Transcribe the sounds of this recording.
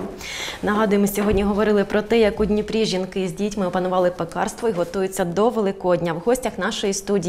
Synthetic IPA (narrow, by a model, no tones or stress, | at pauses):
nɐɦɑd̪ʊjemɔsʲɔɦɔdʲnʲiɦɔʋɔɾɪlˠɪpɾɔt̪ɛjɐkɔdʲnʲipɾʲiʒʲinkɪzʲdʲitʲmɪɔpɐnʊʋɑlˠɪpekɑ̰rst̪ʋɔiɦɔt̪ujʊt͡sʲːɐd̪ɔʋelˠɪkɔdʲnʲɐwɦɔsʲtʲɐxn̪ɑʃɔjist̪udʲi